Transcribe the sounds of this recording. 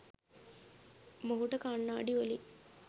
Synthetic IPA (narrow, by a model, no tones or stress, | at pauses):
moɦuʈəkaːɳːaːɖiʋoli